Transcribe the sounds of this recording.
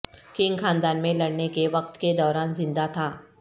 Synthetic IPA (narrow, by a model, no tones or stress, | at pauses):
kɪŋɡxʰaːnd̪aːnmẽlɐɽnekeʋɐq̚t̪ked̪ɔːɾaːnzɪ̃nd̪at̪ʰaː